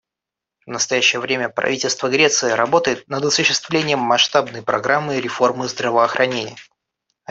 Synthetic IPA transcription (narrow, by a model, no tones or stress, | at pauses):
vnəst̪ɐjæɕːɪjəvɾʲemʲəpɾɐ̰vʲitʲɪlʲst̪vəɡɾʲe̞t̪sɨɪɾɐbo̞t̪əjɪt̪̚nəd̪ɐsʊɕːɪst̪vlʲenʲɪjəmːɐʂt̪abnəjpɾɐ̰ɡɾamːɨɾʲɪfo̞rmɨzd̪ɾəvəɐxɾʔɐnʲenʲɪ̰jə